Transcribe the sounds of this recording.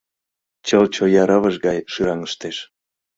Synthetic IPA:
t͡ɕəlt͡ɕojɑɾəβəʒɣɑjʃɯɾɑŋəʃt̪eʃ

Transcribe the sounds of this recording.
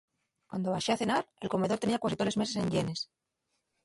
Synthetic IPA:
kwand̪o̞βaʃeaθe̞naɾe̞lko̞me̞ð̞o̞ɾt̪e̞niakwasit̪oleme̞se̞se̞ɲʎe̞ne̞s

